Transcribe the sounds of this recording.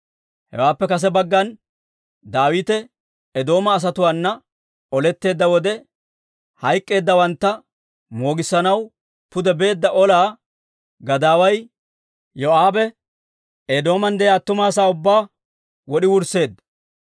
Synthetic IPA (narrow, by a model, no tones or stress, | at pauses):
hɛ̰waːpːɛkɐs̬ɛbɐɡːɐn | d̪aːwiːt̪ɛ | ɛd̪o̞ːmɐːs̬ɐt̪ʊwaːnːɐ | ɔlɛt̪ːe̞ːd̪ːɐwɔd̪ɛ | hɐjkʼːe̞ːd̪ːɐwɐnt̪ːɐ | mo̞ːɡɪsːɐnɐw | pʊd̪ɛbe̞ːd̪ːɐʔɔlaː | ɡɐd̪aːwɐj | joaːbɛ | ed̪o̞ːmɐnd̪ɛjaːt̪ːʊmaːs̬aːʊbːaː | wɔɗɪwʊɾsːe̞ːd̪ːɐ̥